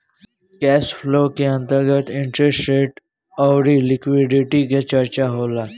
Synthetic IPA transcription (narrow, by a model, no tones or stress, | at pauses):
kɛːsfloːkeɐ̃nt̪əɾɡət̪ɪ̃ɳʈɾesʈeːʈ | ɔːɾilɪkwɪɖɪʈiket͡ʃəɾt͡ʃaɦoːlaː